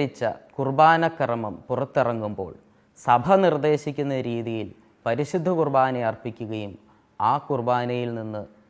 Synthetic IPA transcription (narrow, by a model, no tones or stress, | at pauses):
it͡ɕːɐ̰kurbaːnɐkːɐrɐmɐmpurɐt̪ːirɐŋːumbo̞̰ːɭ | sɐbʱɐnird̪e̞ːɕikʲːunːɐɾiːðijil | pɐɾiɕud̪ʱːɐkurbaːnɐjɐrpikʲːuɣɐjum | aːkurbaːnɐjilninːɨ